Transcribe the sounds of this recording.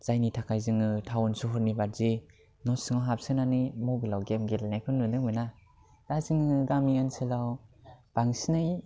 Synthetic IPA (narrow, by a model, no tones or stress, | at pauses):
z̥ajnitʰakʰajzɯŋɯtʰawɔnsuɦɔɾnibaɾ̚zi | nɔsɯŋaɦap̚sɯnanimɔbilawɡemɡelnajpʰɯnːɯnɯŋmɯna | d̥azɯŋɯɯɡamiɯnsɯlawb̥aŋsinɯj